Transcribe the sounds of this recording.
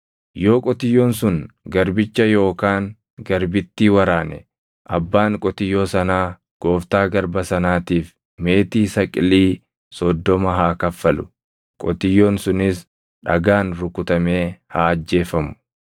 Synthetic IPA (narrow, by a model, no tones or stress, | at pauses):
jo̞ːkʼɔt̪ɪjːoːnsʊŋ | ɡɐɾbɪt͡ʃːɐjo̞ːkaːŋ | ɡɐɾbɪt̪ːiːwɐɾaːnɛ̰ | ʔɐbːaːŋkʼɔt̪ɪjːo̞ːsɐnaː | ɡ̥o̞ːft̪aːɡɐɾbɐsɐnaːt̪iːf | me̞ːt̪iːsɐkʼɪliː | sɔd̪ːɔmɐɦaːkɐfːɐlʊ̥̰ | kʼɔ̰t̪ɪjːoːnsʊnɪs | ᶑɐ̰ɡaːnɾʊkʊt̪ɐme̞ːhaːɐd͡ʒːe̞ːfɐmʊ̥